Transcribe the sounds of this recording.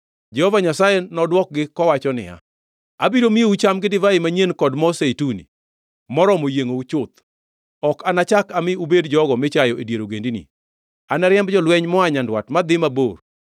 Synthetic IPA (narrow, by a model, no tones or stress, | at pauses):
d͡ʒɛhɔvaɲasajenɔdwɔk̚ɡɪkɔwat͡ʃɔnɪ̰ja̰ | abiɾomiut͡ʃamɡɪdɪvaimaɲenkɔdmɔseitunḭ | mɔɾɔmojeŋout͡ʃʊt̪ | ɔkanat͡ʃakamɪubedd͡ʒɔɡɔmɪt͡ʃajɔʔedjeɾoɡendinḭ | anaɾjɛmbd͡ʒɔlwɛɲmɔaɲandwatmad̪ɪmabo̰r